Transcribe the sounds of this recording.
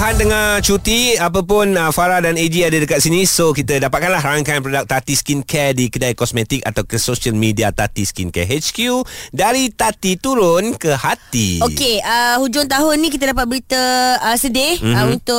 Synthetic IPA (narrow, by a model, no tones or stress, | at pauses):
ɦandəŋãt͡ʃut̪iap̬ap̬ʊnəfaɾadaned͡ʒiadədəkat̪̚sinĩsokit̪ədapat̪̚kanlahɾaŋkanpɾodak̚t̪at̪iskinkʰɛdikədajkɔsmet̪ika̰t̪awkəsoʃalmidiat̪at̪iskinkɛ̰ɦet͡ʃkjudaɾit̪at̪it̪uɾʊnkəhat̪ḭokeəhud͡ʒʊŋt̪̬aɦʊnːĩk̬it̪̬ədapat̪̚bəɾit̪əəsədɪhəunt̪ʊ